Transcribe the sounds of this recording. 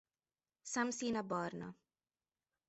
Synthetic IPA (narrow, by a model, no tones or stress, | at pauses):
samsiːnabɑːɾna̰